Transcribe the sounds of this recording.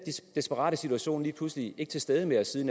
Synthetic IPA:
d̥e̝sb̥əʁɑ̰ːɾ̥əsit͡sʰuæɕo̝̰ːnliːpʰluslie̝ɡ̥t͡sʰe̝lsd̥eð̞ˠəmeɒsiːðˠn

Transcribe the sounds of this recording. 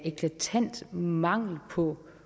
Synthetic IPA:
ekʰlæt͡sʰæn̰d̥mɑ̈ŋ̰l̩pʰɒ̽

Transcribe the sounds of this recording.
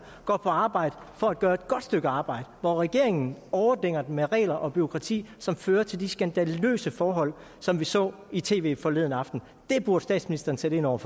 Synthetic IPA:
ɡ̥ɒ̰ːpʰɒ̽ɑ̈ːb̥ɑ̈ɪ̰d̥ə | fɒ̽æd̥ɡ̥ɶːɐe̝d̥̚ɡ̥ɒ̽d̥sd̥øɡ̥əɑ̈ːb̥ɑ̈ɪ̰d̥əʋɒʁɛɡ̥e̝ɐe̝ŋn̩ɒʊɐd̥eŋ̰ɐd̥emeʁɛ̰ːlɐʔɒ̽b̥yʁo̝kʰʁɑ̈t͡sʰḭːsɒ̽mføːɐt͡sʰe̝ld̥isɡ̥ænd̥ællø̰ːsəfɒːɦɒ̽l̰ | sɒ̽mʋisɒ̰̽ː | it͡sʰe̝̰ːʋe̝̰ːfɒ̽le̝ðˠn̩ɑ̈fd̥n̩ | d̥e̝b̥uɐd̥sd̥ɛ̰ːd̥sminisd̥ɐn̩seɾ̥əe̝nɒʊ̰ɐf

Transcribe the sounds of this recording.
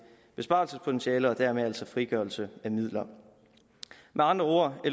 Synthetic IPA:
b̥e̝sb̥ɑ̈lsəspʰo̝t͡sʰenɕiɛːləɒ̽d̥æɐ̰meælsɒ̽fʁiɡ̥œɐlsəæmið̰ˠlɐ | mʔeɑ̈nd̥ʁɐo̝ːɐel

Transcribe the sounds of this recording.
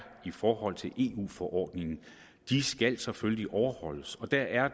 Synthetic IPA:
ifɒːhɒ̽l̰t͡sʰe̝lʔe̝̰ːṵːfɒʔɒ̰ːd̥ne̝ŋn̩ | d̥isɡ̥æl̰sɒ̽føliʔɒʊɐhɒ̽l̰əsɒ̽d̥æɐʔæɐ

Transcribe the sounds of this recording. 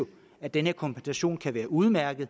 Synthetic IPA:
o | æd̥enəkʰɒ̽mpʰensæɕo̝̰ːnkʰæʋæːɐʔuð̞ˠmæɐɡ̥ð̞̩ˠ

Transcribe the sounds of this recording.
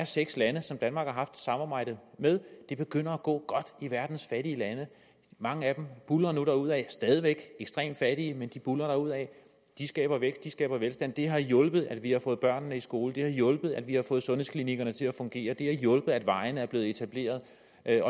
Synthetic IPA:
æɐseɡ̥slænəsɒ̽md̥ænmɑ̈ːɡ̥hɑ̈ɦɑ̈fd̥sɑ̈mɑ̈ːb̥ɑ̈ɪ̰d̥ð̩ˠmeðˠd̥e̝b̥e̝ɡ̥øn̰ɐæɡ̥ɔ̰̽ːɡ̥ɒ̽d̥iʋæɐd̥n̩sfæɾiəlænə | mɑ̈ŋəæd̥emb̥ulɐːnuɾ̥ɑ̈uð̰ˠɛsd̥ɛːð̞ˠiʋeɡ̥eɡ̥sd̥ʁḛːm̥fæɾ̥iəmend̥ib̥ulɐɾ̥ɑ̈uð̰ˠɛ | d̥isɡ̥ɛ̰ːb̥ɐʋeɡ̥sd̥isɡ̥ɛ̰ːb̥ɐʋelsd̥ænd̥e̝ɦɑ̈jɔ̽lb̥ð̩ˠæd̥ʋihɑ̈fɔ̽ːð̩ˠb̥ɶɐ̰nːəisɡ̥o̝ːln̩d̥e̝hɑ̈jɔ̽lb̥ð̩ˠæd̥ʋihɑ̈fɔ̽ːð̩ˠsɔ̽nheskʰliniɡ̥ɐnət͡sʰe̝læfɔ̽ŋɡ̥e̝̰ːɐd̥e̝æɐjɔ̽lb̥əð̩ˠæd̥ʋɑ̈ɪnəæɐb̥le̝ːð̩ˠe̝t͡sʰæb̥le̝̰ːɐð̞ˠ | ɒ̽

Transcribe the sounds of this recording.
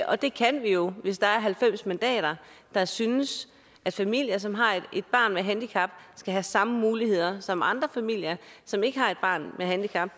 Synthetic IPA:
ʔɒ̽d̥e̝kʰænʋijo̝ʋe̝sd̥ɑ̈æɐɦælfem̰smænd̥ɛ̰ːɾ̥ɐd̥ɑ̈synəs | ʔæd̥fæmil̰jɐs̬ɒ̽mɦɑ̈e̝d̥̚b̥ɑ̈ːnmeɦænd̥ikʰɑ̈b̥̚sɡ̥æɦæsɑ̈məmuːlihe̝ð̞̰ˠɐsɒ̽mɑ̈nd̥ʁɐfæmil̰jɐsɒ̽me̝ɡ̥əɦɑ̈e̝d̥̚b̥ɑ̈ːnmeɦænd̥ikʰɑ̈b̥

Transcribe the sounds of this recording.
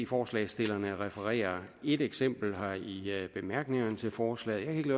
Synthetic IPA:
ifɒːslɛ̰ɪsd̥e̝lɐnəʁɛfəʁɛ̰ːɐ | e̝d̥eɡ̥sem̰b̥l̩ɦɑ̈ib̥e̝mæɐɡ̥ne̝ŋɐnət͡sʰe̝lfɒːslɛ̰ːð̩jakʰæeɡ̥lø

